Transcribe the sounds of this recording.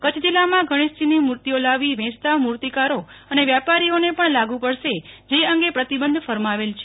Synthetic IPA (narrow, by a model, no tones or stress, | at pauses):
kət͡ʃʰd͡ʒ̪ilːamãɡʱəɽ̃ist̪inimuɾt̪iolaʋiʋɛ̃t͡ʃt̪amuɾt̪ikaɾoəneʋjapaɾionepəɳlaɡũpəɽʃed͡ʒeəŋɡepɾət̪ibənd̪ʱfəɾmaʋelt͡ʃʰe